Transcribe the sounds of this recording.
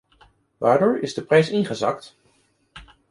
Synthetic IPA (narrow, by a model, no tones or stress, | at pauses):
ʋaːɹdʊːɹɪzdəprɛjsɪnχəzɑkt